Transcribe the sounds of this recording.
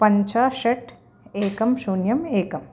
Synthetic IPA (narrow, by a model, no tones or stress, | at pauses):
pɐɲt͡ʃaːʃɐʈ | eːkɐmsunjɐmeːkɐm